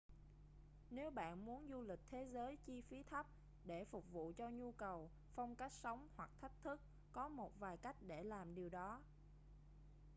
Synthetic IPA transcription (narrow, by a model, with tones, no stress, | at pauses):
ne˨˦wɓa̰ː˧˨nmu˨˦ənzu˧lï˨˩k̟̚t̪ʰe˨˦zəː˨˦jt͡ɕi˧fi˨˦t̪ʰə˦˥p̚ | ɗe˧˩fʊ˨˩k͡p̚vṵ˧˨t͡ɕɔ˧ɲu˧kə˨˩w | fa˧wŋ͡mka˦˥jk̟̚sə˨˦wŋ͡mhwa˨˩k̚t̪ʰa˦˥jk̟̚t̪ʰɨ˦˥k̚ | kɔ˨˦mo˨˩t̚vaː˨˩jka˦˥jk̟̚ɗe˧˩laː˨˩mɗi˨˩əwɗɔ˨˦